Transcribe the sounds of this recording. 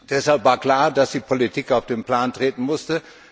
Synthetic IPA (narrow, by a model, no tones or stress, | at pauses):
d̥ɛshalpvaːɐkl̥aːɐdasd̥iːpʰolitʰiːkaʊfd̥eːnpl̥aːntʁ̥eːtn̩mʊstə